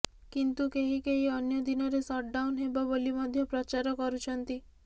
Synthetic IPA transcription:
kint̪ukeɦikeɦiɔnjɔd̪inɔɾesɔʈ̚ɖawnɦebɔbolimɔd̪ʱjɔpɾɔt͡ʃaɾɔkɔɾut͡ʃʰɔnt̪i

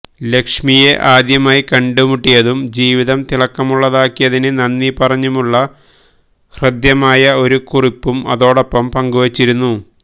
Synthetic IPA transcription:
le̞kʂmije̞ʔaːd̪jɐmaːjikɐɳɖumuʈːijɐðumd͡ʑiːʋiðɐmt̪iɭɐkːɐmuɭːɐðaːkːijɐðinɨnɐnːipɐrɐɲːumuɭːɐ | hrɨd̪jɐmaːjɐo̞ɾukuripːumɐ̰ðo̞ːɽo̞pːɐmpɐŋɡuʋɐt͡ɕːiɾunːu

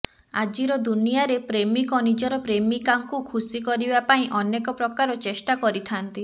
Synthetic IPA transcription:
a̰d͡ʒiɾɔd̪unijaɾepɾemikɔnid͡ʒɔɾɔpɾemikaŋkukʰusikɔɾibapaĩʔɔnekɔpɾɔkaɾɔt͡ʃesʈakɔɾit̪ʰant̪i

